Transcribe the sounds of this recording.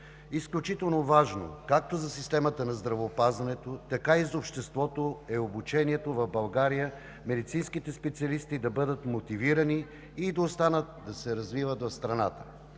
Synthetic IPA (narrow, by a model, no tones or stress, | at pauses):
isklʲut͡ʃit̪ɛlˠnovaʒno̰kak̚t̪ozɐsist̪ɛmət̪ənɐzd̪ɾɐvoːpazvɐnɛt̪ot̪ɐkaizopʃt̪ɛst̪vɔt̪oɛobut͡ʃɛniɛt̪ovɐvbɐlˠɡaɾijə | mɛd̪it̪sinsk̟it̪ɛspɛt̪siɐlist̪id̪ɐbɤd̪ət̪mot̪iviɾəniː | d̪ɐost̪anət̪̚d̪ɐsɛɾɐzvivət̪vɐfst̪ɾɐna̰t̪ə̥